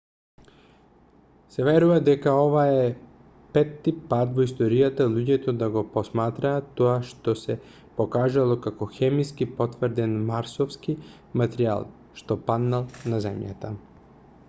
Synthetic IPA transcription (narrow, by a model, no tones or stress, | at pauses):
sɛvɛɾuvad̪ɛkaɔvaɛ | pɛt̪ːipat̪vɔist̪oɾijat̪alˠuɟɛt̪od̪aɡɔpɔsmat̪ɾaːt̪ːɔaʃt̪ɔsɛ | pokaʒalˠɔkakɔxɛmiskipɔt̪vɾd̪ɛnmaɾsɔfski | mat̪ɾia̰lˠ | ʃt̪ɔpad̪nalˠnazɛmja̰t̪a̰